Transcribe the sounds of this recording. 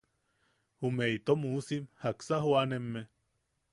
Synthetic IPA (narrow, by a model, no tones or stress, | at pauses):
humeit̪omusimhaksaɦoanemːe